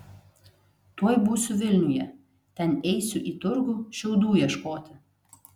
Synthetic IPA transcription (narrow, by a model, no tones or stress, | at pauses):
t̪uɔjbuːsʲʊʋʲɪlʲnʲʊjɛ | t̪ʲɛnɛɪsʲʊʔiːt̪ʊɾɡuːʃʲɛʊd̪uːjiɛʃkoːt̪ʲɪ